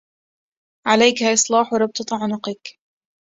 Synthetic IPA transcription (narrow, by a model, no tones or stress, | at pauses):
ʕalajkhaːʔɨsˤlɑːħwɾˤɑb̚t̪ɑt̪ˤɑʕʊnʊqɪk